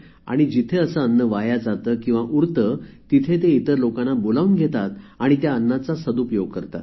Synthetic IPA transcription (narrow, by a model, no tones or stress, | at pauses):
a̰ɽ̃id͡ʑit̪ʰeəsəənːəʋajad͡zat̪əːkĩw̃ʋaʔuɾt̪ət̪it̪ʰet̪eit̪əɾlokanːabolaunɡʱet̪at̪aɽ̃it̪jaənːat͡sasəd̪upjoɡ̚kəɾt̪a̰t̪